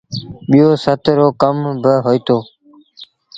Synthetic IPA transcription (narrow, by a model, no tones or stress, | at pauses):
ɓɪjoːsət̪ɾoːkəmbəɦoːiːt̪oː